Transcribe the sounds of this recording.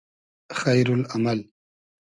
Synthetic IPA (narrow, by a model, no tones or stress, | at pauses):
xajɾʊlamal